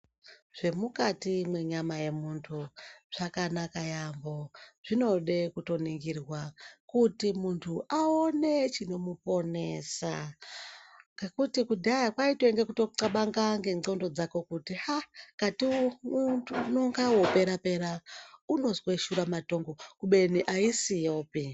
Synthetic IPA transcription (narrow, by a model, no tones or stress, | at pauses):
ʐ̥e̞mukatimwe̞ɲamaje̞muntʰuʐ̥akanakajambo̞ʐ̥ino̞ɗe̞kuto̞niŋɡirwakutimuntʰuʔaone̞t͡ʃino̞mupo̞ne̞ːsa | ŋɡe̞kutikudʱajakwaitweŋɡe̞kuto̞ǃaɓaŋɡaŋɡe̞ŋŋ͡ǀo̞ndo̞d͡zako̞kutihakatiuunoŋɡawo̞pe̞ɾape̞ɾauno̞zweʃuɾamato̞ŋɡo̞kuɓe̞niʔaisijoːpi